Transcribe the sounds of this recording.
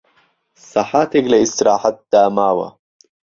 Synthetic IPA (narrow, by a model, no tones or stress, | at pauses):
sɑħat̪eɡlɐist̪ɾaːħat̪̚d̪aːmaːwɐ̰